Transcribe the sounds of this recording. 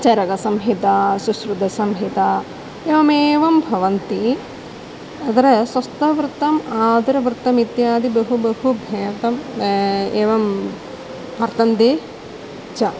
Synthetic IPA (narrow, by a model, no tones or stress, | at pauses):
t͡ʃɐɾɐɡɐsɐmɦit̪asusɾud̪ʱɐsɐmɦit̪a | eːʋɐmeːʋɐmbʱɐʋɐnt̪i | ɐd̪ɐɾɐswɐst̪ɐʋɾɨt̪ɐmaːd̪ɐɾɐʋɾt̪ɐmit̪jaːd̪ibɐɦubɐhubʱɐjɐt̪ɐm | eːʋɐm | pɐɾt̪ɐnt̪eː | t͡ʃɐ